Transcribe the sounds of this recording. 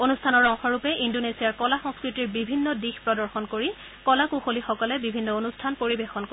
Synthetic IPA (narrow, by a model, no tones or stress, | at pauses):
onustʰanɔɹɔŋxɔɹupɛʔindonesiaɹkɔlaxɔ̃ŋskɹitiɹbibʱinːɔdixpɹɔdɔɹxɔnkoɹi | kɔlakuxolixɔkɔlɛbibʱinːɔonustʰanpoɹibexɔnko